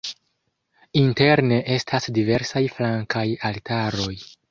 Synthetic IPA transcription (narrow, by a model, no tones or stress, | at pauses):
inte̞ɾne̞ʔe̞stʰasdive̞ɾsajflaŋkajaltaɾo̞j